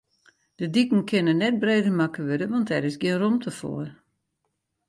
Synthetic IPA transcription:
d̥ədikən̩kʰɪnənːɛt̚breːdərmakəʋødəʋɑntɛɾɪsɡɪənromtʰəfo̰ər

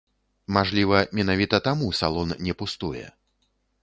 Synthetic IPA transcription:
maʐlʲivɐmʲɛnavʲit̪ɐt̪amusa̰lˠɔnnʲɛpust̪ujɛ̰

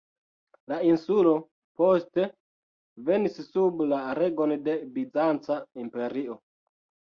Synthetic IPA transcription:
lainsulo̞ | po̞ste̞ | ve̞nissublaɾe̞ɡo̞nde̞bid͡zant͡saimpe̞ɾio

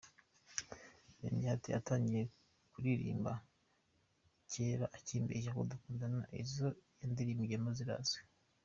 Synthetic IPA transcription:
neːnihatḭʔa̰taːɲɟije | kuɾiɾḭːmba | ceːɾaʔaciːmbeʃ̬ako̰dukuːndanaʔḛzojeːndiɾimiɟemoziɾa̰ze

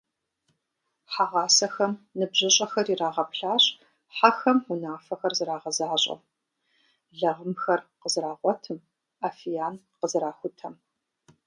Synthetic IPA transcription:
ħaʁɑːsɐxɐmnɨbʑɨɕʼɐxɐriraːʁɐpɬaːɕ | ħaxɐmʊnaːfɐxɐrzɨɾaːʁɐzaːɕʼɐ̰m | ɮɐʁəmxɐrqəzɨraːʁʷɔtʰɨm | aːfijaːn | qəzɨɾaːxʷʊtʰɐm

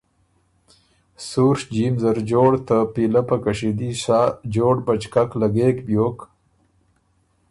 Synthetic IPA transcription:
suɾʂd͡ʒimzaɾd͡ʒoːɽt̪əpilapakaʂid̪isaːd͡ʒoːɽbat͡ʃkaklaɡeːkbjoːk

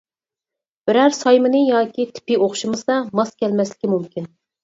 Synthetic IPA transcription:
b̥ɪɾæɾsɑjmɨnɨjɑːkʲʰit̪ʰɪ̥pioχʃɨmɨsɑmɑskʲɛlmɛslɪkʲɪmumkʲʰin

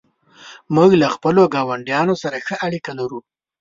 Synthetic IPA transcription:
muɡlaxpəloɡɑwaɳɖijɑnosaɾaxəʔaɽikalaɾu

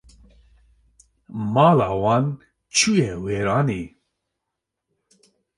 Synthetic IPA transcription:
maːlawan | t͡ʃʰujɛweɾaːni

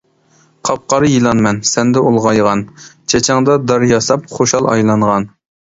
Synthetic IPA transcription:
qʰɑp̚qɑɾɨjilˠɑnmɛnsɛnd̪ɛolˠʁɑjʁɑnt͡ʃʰɛt͡ʃʰɑŋd̪ɑd̪ɑɾjɑsɑp̚χoʃɑlˠɑ̰jlˠɑɴʁɑn

